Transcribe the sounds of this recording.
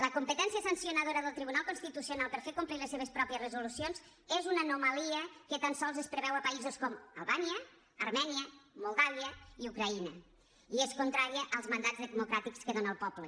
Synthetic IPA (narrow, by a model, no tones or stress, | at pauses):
ləkumpət̪ɛnsiəsənsiunəðoɾəðəlˠt̪ɾiβunalˠkunst̪it̪usionalˠpəɾfeɾkumpliləseβ̞əspɾɔpiəzrəzulusionz | ezunəːnumaliəkət̪ansɔlˠzəspɾəβɛwəpəizuskɔmə̰lˠβaniəː | ɾmɛniəmulˠdaβiəiukɾɐinə | ieskunt̪ɾaɾiəʔəlˠzmənd̪ad͡zðəmukɾat̪ikskəðonəːlˠpɔplə